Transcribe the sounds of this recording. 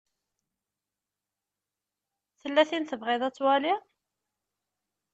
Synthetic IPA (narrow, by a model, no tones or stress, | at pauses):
θəlːæθinθəvʁɪðˤæt͡sːwæli